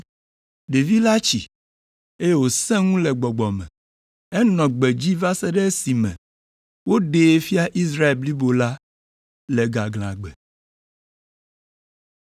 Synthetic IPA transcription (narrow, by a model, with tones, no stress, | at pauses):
ɖe˨vi˦la˦t͡ɕḭ˨ | e˦je˦wo˨sɛ̃˦ŋũ˦lɛ˨ɡ͡bɔ˨ɡ͡bɔ˨mɛ̰̃˨ | ɛ˦nɔ̃˨ɡ͡bɛ˨d͡ʑi˦va˦sɛ˦ɖɛ˦si˨mɛ̰̃˨ | wo˦ɖe˨˦fi˦a˦ʔi˦s̬ɾa˦e˨lbli˦bo˨la˦ | lɛ˨ɡa˨ɡl̃ã̰˨ɡ͡bɛ̰˨